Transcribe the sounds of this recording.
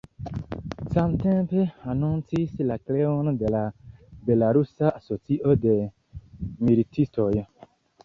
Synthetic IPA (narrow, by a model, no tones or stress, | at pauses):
sãmt̪ɛ̃peanɔ̃ntʰisilaklewɔñd̪elabelaɾusaasɔtiʔɔde | miɾitʰistɔjɛ